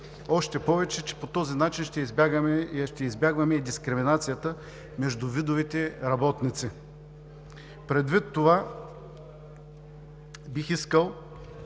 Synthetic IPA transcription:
ɔʃt̪ɛpɔvɛt͡ʃɛt͡ʃɛ̥pot̪ɔzinat͡ʃinʃt̪ɛizbaɡmɛʃt̪ɛizbʲjaɡvɐmɛid̪iskɾɪminat̪sijət̪ə | mɛʒd̪ʊvid̪ʊvit̪ɛɾɐbɔt̪nit̪si | pɾɛd̪vit̪ːova | bixiskəlˠ

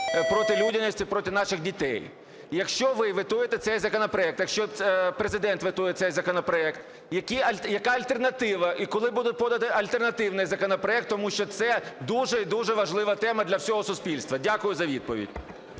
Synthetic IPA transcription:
pɾɔt̪ɪlʲudʲɪnɪsʲtʲipɾɔtʲɪnɑʃɪɣdʲit̪ɛ̰j | jɐkʃt͡ʃɔʋɪʋɪt̪ujet̪ɛt̪sɛjzɐkɔnɔpɾɔɛk̚t̪jɐkʃt͡ʃɔpɾezɪd̪ɛnt̪ʋɪt̪ujɛt̪sɛjzɐkɔnɔpɾɔɛkt̪ | jɐkʲiɐlʲjɐkɑɐlʲt̪ernɐt̪ɪʋɐʔikɔlˠɪbud̪ʊt̚ʲpɔd̪ɐt̪ɪɐlʲt̪ernɐt̪ɪwnɪjzɐkɔnɔpɾɔɛk̚t̪ːɔmuʃt͡ʃɔt̪sɛd̪uʒɛid̪uʒɛʋɐʒlˠɪʋɐt̪ɛmɐd̪lʲɐwsʲɔɦɔsʊspʲilʲst̪ʋɐdʲakʊjʊzɐʋʲid̪̚pɔʋʲḭdʲ

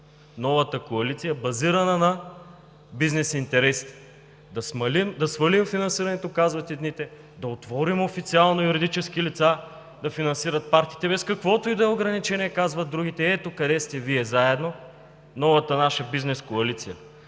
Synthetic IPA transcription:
nɔvɐt̪əkoɐlit̪sijɐbɐziɾɐnɐnɐ | biznɛsint̪ɛɾɛsi̥t̪ɛ̥ | d̪ɐsmɐlimd̪ɐsvɐlimfinɐnsiɾɐnɛt̪okazvɐt̪id̪nit̪ɛ | d̪ɐot̪vɔɾimofit̪sialˠnojuɾid̪it͡ʃɛsk̟ilit̪sa | d̪ɐfinɐnsiɾɐt̪̚paɾt̪i̥t̪ɛbɛskɐkvɔt̪oid̪ɐɛoɡɾɐnit͡ʃɛniɛkazvɐt̪ːɾuɡit̪ɛɛt̪okɐd̪ɛst̪ɛviɛzaɛd̪no | nɔvɐt̪ənaʃəbiznɛskoɐlit̪sijə

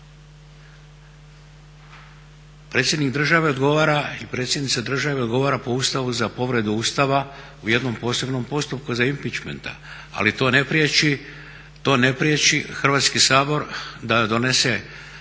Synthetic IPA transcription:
pɾe̞t̪sjed̪nikd̪r̩ʒaʋe̞o̞d̪ɡo̞ʋaːɾaipɾet̪sjed̪nit̪sad̪r̩ʒaʋe̞od̪ɡo̞ʋaːɾapo̞uːst̪aʋuzapo̞ʋɾe̞d̪uuːst̪aʋa | uje̞d̪no̞mpo̞ːse̞bno̞mpo̞st̪up̚kuzaimpit͡ʃme̞̰nt̪a̰ | a̰lit̪o̞ːnepɾiei | t̪o̞ne̞pɾiet͡ʃixr̩ʋaːt̪skisaːbo̞ɾd̪ad̪o̞ne̞se̞

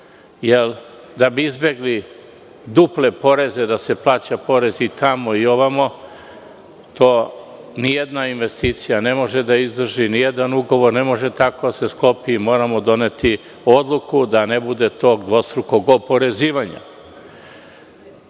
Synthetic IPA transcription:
jel | d̪abiizbe̞ɡli | d̪uple̞po̞ɾe̞ze̞d̪ase̞plˠaːt͡ɕapo̞ɾe̞zit̪amo̞io̞ʋamo̞ | t̪oːnijed̪nainʋe̞st̪it̪sijane̞mo̞ʒed̪aizd̪r̩ʒinijed̪anuɡo̞ʋo̞ɾne̞mo̞ʒe̞t̪ako̞d̪ase̞sklo̞piːmo̞ːɾamo̞d̪o̞ne̞t̪i | od̪lˠukud̪ane̞bud̪e̞t̪o̞ːɡd̪ʋo̞st̪ɾuko̞ɡopo̞ɾe̞ziːʋaɲa̰

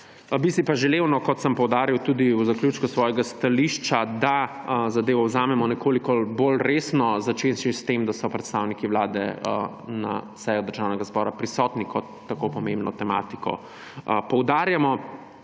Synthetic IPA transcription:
bisipaʒɛlewnɔkɔt̪səmpɔwd̪aːɾiwt̪ud̪iwzaklʲjuːt͡ʃkusʋɔːjɛɡast̪aliʃt͡ʃad̪a | zad̪eːʋɔwzaːmɛmɔnɛkʰoːlikɔbolɾesnɔzat͡ʃeʃest̪emd̪asɔpɾɛt̪st̪awnikiwlaːd̪ɛ̰ə | na̰ | sɛjɔd̪əɾʒaːwnɛɡazbɔːɾapɾisɔːt̪nikɔt̪ːakopɔmẽmbnɔ̰t̪ɛma̰t̪ikɔ̰ | pɔwd̪aːɾjamɔ

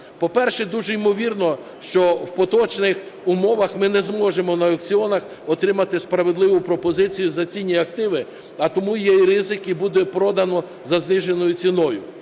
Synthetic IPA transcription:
pɔpɛrʃɛd̪uʒɛimɔʋʲirnɔ | ʃt͡ʃɔwpɔt̪ɔt͡ʃnɪx | ʊmɔʋɐxmɪnɛzmɔʒemɔnɐɔkt͡sʲiɔnɐx | ɔt̪ɾɪmɐt̪ɪspɾɐʋed̪lˠɪʋʊpɾɔpɔzɪt͡sʲijʊzɐt͡sʲinʲiɐk̚t̪ɪʋɪ | ɐt̪ɔmujɛjrɪzɪkibud̪ɛpɾɔd̪ɐnɔ | zɐznɪʒe̞nɔjʊt͡sʲinɔjʊ̰

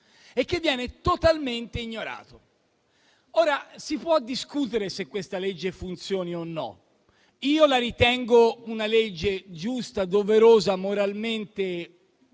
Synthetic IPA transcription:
ekːevːjɛːnet̪ot̪alment̪eiɲːoɾa̰ːt̪o | oːɾasipwɔd̪ːiskut̪eɾesekːwest̪aled͡ʒːefunt̪sjoːnionːɔ̰ | iːolaɾit̪ɛŋɡounaled͡ʒːed͡ʒust̪ad̪oveɾoːzamoɾalment̪e

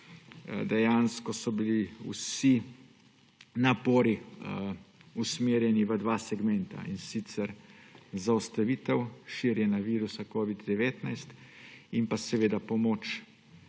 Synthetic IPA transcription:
d̪ɛjanskɔsɔbiliw̰si | napɔːɾi | usmeːɾjɛniʋəd̪ʋaːsɛɡmɛnt̪a̰insit̪sɛɾzaust̪aʋiːt̪ɛwʃiɾjɛnaʋiːɾusakoːʋid̪d̪ɛʋeːt̪najst̪impasɛʋeːd̪apɔmoːt͡ʃ

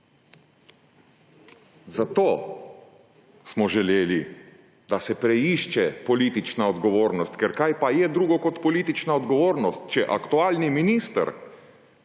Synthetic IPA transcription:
zat̪oː | smɔʒɛleːli | d̪asɛpɾɛiʃt͡ʃɛpɔlit̪it͡ʃnaɔd̪ɡɔʋoːɾnɔst̪kɛɾkajpajɛd̪ɾuːɡɔkɔt̪pɔliːt̪it͡ʃnaɔd̪ɡɔʋoːɾnɔst̪̚t͡ʃɛʔa̰kt̪uaːlniminist̪ə̰ɾ

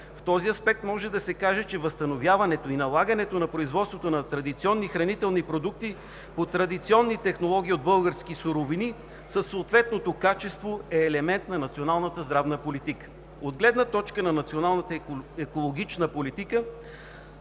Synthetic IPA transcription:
ft̪ɔziɐspɛk̚t̪mɔʒɛd̪ɐsɛkaʒɛt͡ʃɛvəst̪ɐnovʲjavɐnɛt̪oinɐlˠaɡənɛt̪onɐpɾoizvɔt̪st̪vot̪onɐt̪ɾɐd̪it̪siɔnːixɾɐnit̪ɛlˠnipɾod̪uk̚t̪i | pot̪ɾɐd̪it̪siɔnːit̪ɛxnolˠɔɡʲiːod̪̚bɤlˠɡəɾsk̟isuɾovini | səsːoːt̪vɛt̪̚not̪okat͡ʃɛst̪voɛːlɛmɛnt̪nɐnɐt̪sionalˠnət̪əzd̪ɾavnəpolit̪ikə̥ | od̪ɡlɛd̪nət̪ɔt͡ʃkənɐnɐt̪sionalˠnət̪əɛkolˠoɡ̟it͡ʃnəpolit̪ikə

